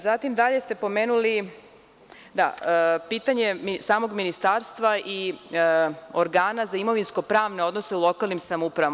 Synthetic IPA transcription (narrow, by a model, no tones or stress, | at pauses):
zat̪imd̪aʎe̞st̪e̞po̞meːnuli | d̪a̰piːt̪aɲe̞misaːmo̞ɡminist̪aːɾst̪ʋaʔi | oɾɡaːnazaimo̞ʋinsko̞pɾaːʋne̞o̞d̪no̞se̞ulˠo̞kalnimsamupɾaʋa